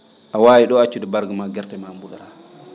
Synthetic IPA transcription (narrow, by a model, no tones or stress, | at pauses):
ʔawaːjiɗɔat͡ʃːudɛbaɾɡamaɡɛɾtɛmambuɗaɾa